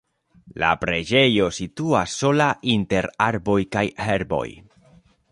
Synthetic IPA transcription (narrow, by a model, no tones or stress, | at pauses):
la̰pɾe̞d͡ʒe̞jo̞situasːo̞laʔinte̞ɾaɾbo̞jkajheɾbo̞̰j